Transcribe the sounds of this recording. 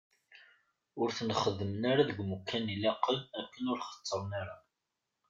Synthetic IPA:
ʊɾθnχəðːəmənaɾaðəɡmukʰːænilɑqːəlækːənʊɾχə̥t͡sˤːəɾˤnaɾa

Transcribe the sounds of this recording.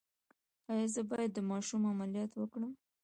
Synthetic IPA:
ɑjɑzəbɑjad̪ːəmɑʃumamaljɑt̪wəkɽəm

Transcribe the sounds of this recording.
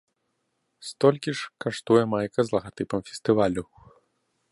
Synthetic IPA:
st̪ɔlʲkʲiʂkaʂt̪ujɛmajkɐzlˠɐɣat̪ɨpɐmfʲɛ̥st̪ɨvalʲuw

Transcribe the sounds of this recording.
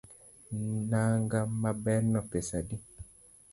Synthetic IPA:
naŋɡamabɛnɔpesadi

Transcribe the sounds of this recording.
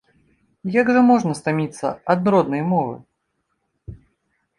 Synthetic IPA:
jaɡʐɐmɔʐnɐst̪amʲit̪sːɐ̰ɐd̪nɾɔd̪nɐjmɔvɨ̰

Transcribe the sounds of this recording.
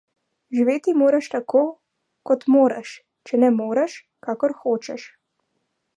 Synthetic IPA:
ʒiʋeːt̪imoːɾaʃt̪akoː | kɔt̪moːɾaʃ | t͡ʃɛnɛmoːɾaʃ | kaːkɔɾxoːt͡ʃɛʃ

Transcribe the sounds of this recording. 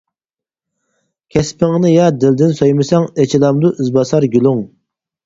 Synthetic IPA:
kʲʰɛspʰɪŋnɨjɑd̪ɪld̪ɪnsojmɨsɛŋɛt͡ʃʰilˠɑmd̪uʔyzbɑsɑɾɡʲylˠuŋ

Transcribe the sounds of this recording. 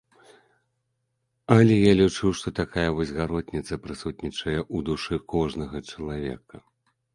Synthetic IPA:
ɐlʲɛjalʲit͡ʂɨwʂt̪ɔt̪akʰajɐvɔsʲɣaɾɔt̪ʲnʲit̪sɐpɾɨsut̪̚nʲit͡ʂɐjɛʔud̪uʂɨkɔʐnɐɣɐt͡ʂɐlˠavʲɛ̰kɐ

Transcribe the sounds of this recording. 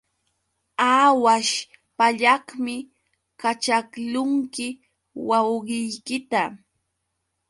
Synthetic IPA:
awaʃ | paʎahmɪ | kat͡ʃaklʊŋkɪ | wawɢɪjkɪt̪a

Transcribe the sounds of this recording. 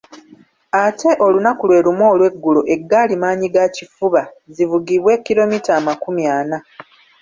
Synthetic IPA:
atʰe̞ʔo̞lunakulwe̞ːlumwo̞ːlwe̞ɡːuloʔe̞ɡːaːlimaːɲiɡacifuβa | zivuɡiβwe̞ːkːiɾo̞mitaːmakumjaːna

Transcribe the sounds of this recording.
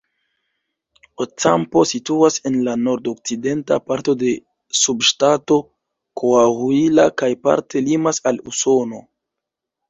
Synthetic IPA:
ot͡sampo̞situase̞nlano̞ɾdok̚t͡side̞nta̰paɾto̞de̞ | subʃtato̞ | kʰoaɣuilakajpa̰ɾtʰe̞limasaluso̞no̞

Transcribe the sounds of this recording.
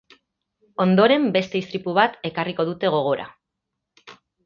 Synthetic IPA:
o̞nd̪o̞ɾe̞mbe̞st̪e̞ist̪ɾipuβ̞at̪e̞kariko̞ðut̪e̞ɣ̞o̞ɣ̞o̞ɾa̰

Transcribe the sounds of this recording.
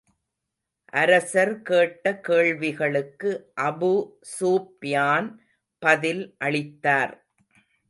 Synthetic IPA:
ʔɐɾɐsɐɾkeːʈːɐkeːɭʋɪɣɐɭɯkːɯʔɐbu | suːpjaːn | pɐðɪlʔɐɭɪt̪ːaːɾ

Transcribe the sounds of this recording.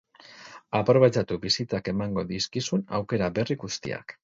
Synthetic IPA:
apɾo̞βet͡ʃat̪uβisit͡sake̞maŋɡo̞ðiskisuna̰wke̞ɾaβe̞riɣust̪ḭa̰k

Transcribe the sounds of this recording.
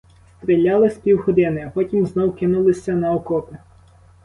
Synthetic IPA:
st̪ɾʲilʲːɑlˠɪsʲpʲiwxɔd̪ɪnɪɐpɔtʲimznɔwkɪnulˠɪsʲːɐnɐɔkɔpʲɪ

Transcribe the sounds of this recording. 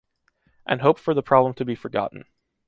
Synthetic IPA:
ʔɨ̰̃nɦoʊpfə˞ðəpʰɹ̥ɑblə̃mtʰɨbifə˞ɡɑ̰ʔn̩

